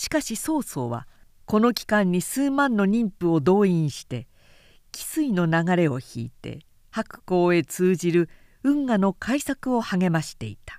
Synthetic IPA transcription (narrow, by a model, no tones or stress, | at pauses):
ɕi̥kaɕiso̞ːso̞̰ːβa̰ | ko̞no̞kʲi̥kãɲ̟ːisɨːmãnːo̞ɲʲĩmpɯ̟o̞d̪o̞ːĩɰ̃ɕi̥t̪e̞ | kʲi̥sɨino̞naɡaɾe̞o̞çḭːt̪e̞̰ | hakɯ̟̥ko̞ːe̞t͡sɨːʑiɾɯ̟ | ɯ̟̃ŋɡano̞kʰaisakɯ̟o̞haɡe̞maɕi̥t̪e̞̰it̪ḁ